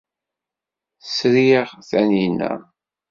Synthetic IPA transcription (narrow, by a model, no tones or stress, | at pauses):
sɾiʁθænjinːæ̰